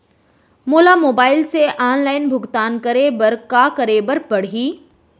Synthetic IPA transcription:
moːlamoːbaːɪlseʔaːnlaːɪnbʱʊɡt̪aːnkɐɾebəɾkakɐɾeːbəɾpɐɽ̤iː

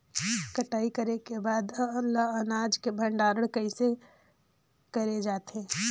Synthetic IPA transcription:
kɐʈaːikɐɾekebaːd̪ɐlːaɦɐnaːd͡ʒkebʱɐ̃ɳɖaːɾəɽkɐise | kɐɾed͡ʒaːt̪ɛ̃ː

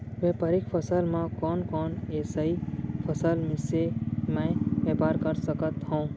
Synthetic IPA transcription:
ʋẽːpaːɾɪkpʰəsəlmãkɔːnkɔːneːsəipʰəsəlmɪsemɛ̃ʋeːpaːɾkəɾsəkət̪ɦõː

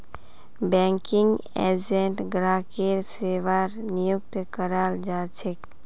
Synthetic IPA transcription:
bɛŋkiŋɡɛ̰d͡ʒeɳʈɡɾaːkeɾseʋaɾnijuk̚t̪kəɾald͡ʒat͡ʃʰek

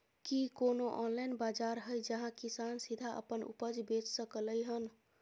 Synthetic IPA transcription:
kikonoʔɔnlajnbad͡ʒaɾɦəjd͡ʒəɦãkisansid̪ʱaʔə̰pənṵpəd͡ʒbet͡ʃsəkələjɦən

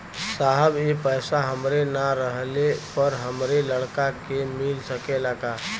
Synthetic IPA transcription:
saɦəbjepəːɪsaɦəmɾenaɾəɦlepəɾɦəmɾeləɽkakemɪlsəkelaːɡaː

